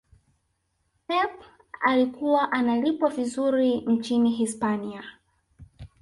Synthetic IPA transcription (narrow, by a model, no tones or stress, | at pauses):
pɛp | alikuwaʔanalipwavizuɾin̩t͡ʃiniɦispania